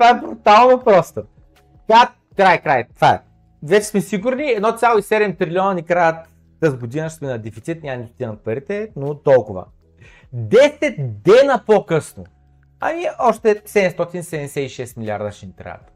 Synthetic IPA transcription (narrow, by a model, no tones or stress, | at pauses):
t̪vaɛbɾʊt̪alˠnopɾɔst̪ə | ka | kɾajkɾajt̪vaɛ̰ | vɛt͡ʃɛ̥smɛsiɡʊɾniɛd̪nɔt̪sʲjalˠoisɛd̪ɛmt̪ɾilʲiɔnɐnʲikɾajət̪ː | əzɡod̪inəʃt̪mɛnɐd̪ɛfit̪sit̪nʲaɐnʲit̪ʊ̥t̪ʲinɐt̪̚pɐɾit̪ɛnot̪ɔlˠkʊvə̰ | d̪ɛsɛt̪d̪ɛnəpokɤsno | ɐ̰miɔʃt̪ɛsɛd̪ɛmst̪ɔt̪insɛd̪ɛɛsɛiʃɛst̪milʲia̰ɾd̪əʃɛnit̪ɾa̰jɐ̰t̪